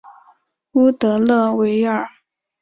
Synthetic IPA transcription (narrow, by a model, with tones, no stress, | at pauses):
u˥t̪ɤ˧˥lɤ˥˩we˧˥ɪə˞˨˩